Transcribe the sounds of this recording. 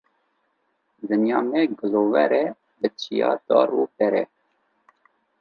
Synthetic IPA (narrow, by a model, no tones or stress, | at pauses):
zɨnjɑːnɛɡəloːwɛɾɛ | bət͡ʃʰijɑ̰ːd̪ɑ̰ːɾuːpɛɾɛ̰